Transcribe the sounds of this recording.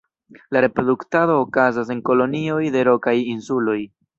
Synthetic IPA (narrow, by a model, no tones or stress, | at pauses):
laɾe̞pɾo̞duktado̞ːkazas̬e̞ŋko̞lo̞nio̞jde̞ɾo̞kajinsulo̞j